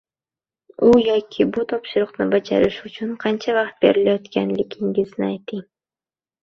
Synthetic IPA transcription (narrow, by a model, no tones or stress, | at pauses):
ʊjɒkʲʰɪbʊt̪ʰɒpʃɪɾʊqnɪbad͡ʒa̰ɾɪʃʊt͡ʃʰʊnqʰɑnt͡ʃʰavɑqt̪̚be̞ɾɪlajɒt̪kʲʰanlɪkʲʰɪŋɡʲɪznɪajt̪ʰɪŋ